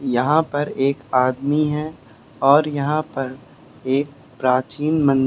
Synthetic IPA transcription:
jɐɦãpɐɾeːkaːd̪miɦɛ | ɔːɾjɐɦãpɐɾ | eːk̚ | pɾaːt͡ʃiːnmə̃n

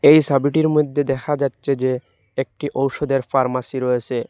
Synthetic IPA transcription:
ejsabiʈiɾmod̪ʱːed̪ɛkʰad͡ʑatːɕʰed͡ʑe | ek̚ʈiʔowʃod̪eɾfaɾmasiɾoet͡ɕʰe

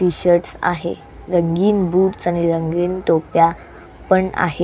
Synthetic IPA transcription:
ʈiɕəɾʈsa̰ɦḛ | ɾəŋɡiːnbuːʈsañiɾəŋɡiːnt̪opja | pəɳa̰ɦe

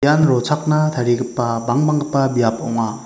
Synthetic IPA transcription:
janɾɔt͡sʰak̚natʰaɾiɡɯpːabaŋbaŋɡɯpːabijapɔ̰wŋa

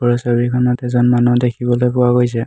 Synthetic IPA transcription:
ɔɹɔsabikʰɔnɔtɛzɔnmanɔdekʰibɔlojkʊaɡojsɛ

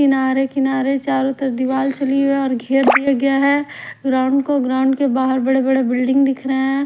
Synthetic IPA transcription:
kɪnaːɾekɪnaːɾet͡ʃaːɾʊt̪əɾd̪ɪʋaːlt͡ʃɐliɔːɾɡʱeːɾd̪ijaɡɐjaɦɛɡɾãʊ̃ɳɖkoɡɾãʊ̃ɳɖkebaːɦəɾbɐɽ̤ebɐɽebɪlɖɪ̃ŋɡd̪ɪkʰɾəɦɛ̃

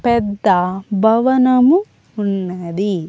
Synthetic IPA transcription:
pɛd̪ːɐbʱɐʋɐnɐmu | unːɐd̪i

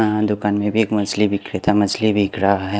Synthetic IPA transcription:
d̪ʊkaːnmẽbʱieːkmɐd͡ʒlibɪkɾɪt̪amɐd͡ʒlibʱikɾaɦɛ

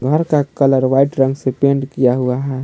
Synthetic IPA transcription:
ɡʱəɾkakələɾʋaɪʈɾə̃ŋɡsepẽɳɖkijaɦuaɦɛ

